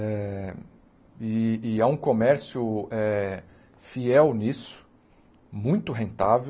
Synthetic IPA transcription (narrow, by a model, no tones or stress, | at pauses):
ɛ | ɪːɛũkõmɛɾsjʊɛ | fiɛwnisʊ̥ | mũj̃t̪ʊɦẽnt̪ave